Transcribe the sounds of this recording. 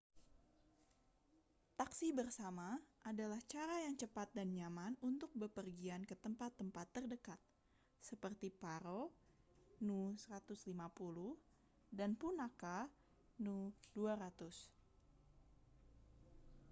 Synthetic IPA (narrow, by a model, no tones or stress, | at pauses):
t̪aksibərsamaadalaht͡ʃaɾajaŋt͡ʃəpat̪̚danɲamanunt̪ʊk̚bəpərɡiankət̪əmpat̪ːəmpat̪ːərdəkat̪̚ | səpərt̪ipaɾo | nusəɾat̪ʊslimapuluh | danpunaka | nuduaɾat̪ʊs